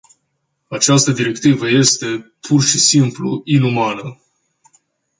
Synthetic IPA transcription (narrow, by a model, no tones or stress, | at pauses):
at͡ʃast̪əd̪iɾe̞kt̪ivəje̞st̪e̞pʰurʃisimplṵinumanə